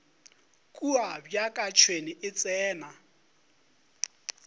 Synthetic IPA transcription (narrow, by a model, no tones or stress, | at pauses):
kʼuabjakʼat͡ʃʰweniʔɪt͡sʼɛːna